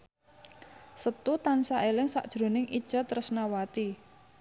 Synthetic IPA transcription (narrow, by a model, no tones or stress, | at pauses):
sət̪ut̪ansaʔelɪŋsa̰ʔd̥ʒ̥ɾo̤nɪŋʔid̥ʒ̥a̤t̪əɾʊsnawat̪i